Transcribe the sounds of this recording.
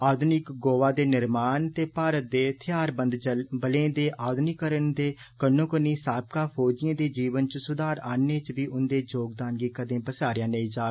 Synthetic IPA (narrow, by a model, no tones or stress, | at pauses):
aːd̪nɪkɡoːʋaːd̪eːnɪɾmaːnt̪eːpaːɾət̪̚d̪eːt̪ʰɪjaːɾbənd̪bəlẽːd̪eːʔaːd̪nikəɾənd̪eːkənːõːkəniːsaːb̚kaːpʰoːd͡ʒijãːd̪eːd͡ʒiːʋənt͡ʃsʊd̪aːɾaːneːt͡ʃbiːʔʊnd̪eːd͡ʒoːɡ̚d̪aːnɡiːkəd̪ẽːbəsaːɾɪjãːnəĩːd͡ʒaː